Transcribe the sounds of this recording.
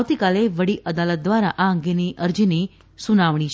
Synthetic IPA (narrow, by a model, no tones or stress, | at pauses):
wt̪ikaleʋəɽiʔəd̪alət̪̚d̪ʋaɾaʔaəŋɡeniʔəɾd͡ʒini | sunaʋɳ̃it͡ʃʰ